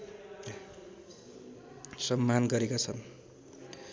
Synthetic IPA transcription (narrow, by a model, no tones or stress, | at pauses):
sʌmːanɡʌɾekot͡sʰʌn